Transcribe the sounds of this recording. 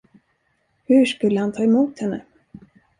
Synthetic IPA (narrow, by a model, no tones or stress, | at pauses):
hɵʂkɵlːəhant̪ʰɑːɛmuːt̪hɛnːə